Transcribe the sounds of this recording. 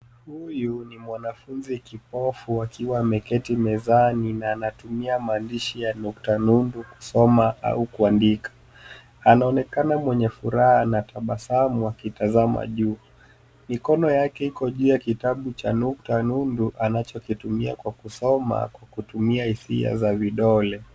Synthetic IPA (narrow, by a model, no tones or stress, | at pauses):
hujunimwanafunzikip̚ɔfuakʰiwamɛkɛtimɛzaninaːnatumiamaːndiʃijanuktanunduku̥sɔmaʔa̰ukuandikḁ | anaɔnɛkanamwɛɲɛfuɾahanatʰaɓasamuakitazama̰ʄuː | mikɔnɔjakɛhikɔʄuːjakitaɓut͡ʃanuk̚tanunduʔanat͡ʃɔkitumia̰kwakusɔma̰kwakutumiahisḭa̰zaviɗɔlɛ